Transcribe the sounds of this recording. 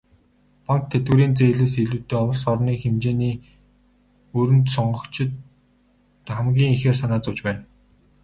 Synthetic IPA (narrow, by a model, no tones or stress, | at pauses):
paŋk̚t̪ʰet̪̚ɡɘ̆ɾiːnt͡seːɮĕːsiɮuːt̪eːɔwɞ̆sɔrniːxemt͡ɕeːniː | ɵɾɘ̆nt̪sɔɴɢɞ̆kt͡ɕʰɪ̆t̪ | χæmɡʲiːŋixeːrsanaːt͡sʊwt͡ɕpæːn